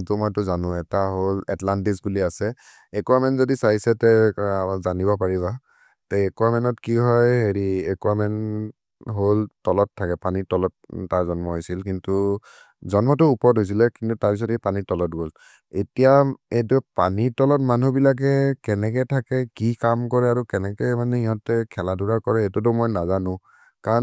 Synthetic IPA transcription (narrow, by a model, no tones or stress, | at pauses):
tʊmajtʊzanʊ̃ɛtaɦolɛtlantisbuliasɛ | ɛkuamɛnzodisaisɛtɛzanibɔpaɹiβa | tɛɛkwamɛnɔtkiɦɔjɦeɹiɛkuamɛn | ɦoltɔlɔtʰːakɛpanitɔlɔttaɹzɔnmɔɦojsilkintu | zɔnmɔtʊːpɔɹtɦojs̬ilɛkintutaɹpis̬ɔtepanitɔlɔtɡol | etijaet̬upa̰nitɔlɔtmanubilak̬ɛkɛnɛk̬ɛtʰakɛkikamkɔɹɛaɹukɛnɛkɛmanɛiɦɔtɛkʰɛladuɹakɔɹɛetʊt̬ʊmɔjnazanʊ̃ | kaɔ